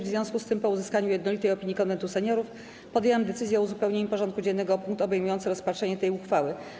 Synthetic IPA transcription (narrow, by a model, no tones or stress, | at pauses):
vzvʲjɔ̃skust̪ɘmpɔuzɘskaɲujɛd̪nɔlʲit̪ɛjɔpʲiɲːikɔnɛnt̪usɛɲɔɾuf | pɔd̪ʲjewɛmd̪ɛt̪sɘzjɛɔuzupɛwɲeɲupɔʐɔnt̪̚kud͡ʑɛnːɛɡɔpuŋk̚t̪ɔbɛjmujɔnt̪sɘɾɔspatʂɛɲɛt̪ɛjuxfawɘ